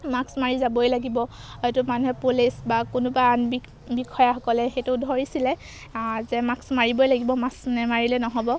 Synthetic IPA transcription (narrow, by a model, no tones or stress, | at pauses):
maksmaɹizabojlaɡibɔhojtumanuɦɛpolisbakʊnʊbaanbi | bikʰɔjaxɔkɔlɛxetʊdʱɔɹisilɛ | zɛmaksmaɹibojlaɡibɔmaksnɛmaɹilɛnɔɦɔbɔ